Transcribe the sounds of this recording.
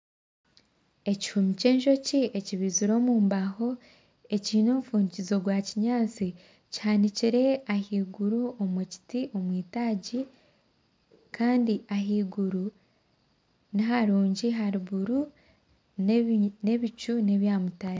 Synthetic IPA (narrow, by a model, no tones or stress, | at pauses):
e̞ci̥humice̞ːɲʒo̞cieciβiziɾo̞ːmuːmbaho̞ | e̞ciːno̞mufuːɲicizo̞ɡwaciɲaːt͡si | cihaniciɾe̞ahiːɡuɾuomuci̥tiʔo̞mwiːtaːɟi | kaːndiʔaɦiːɡuɾu | niɦaɾuːɲɟiɦaɾiβuɾu | ne̞βicune̞βjaːmutaɾi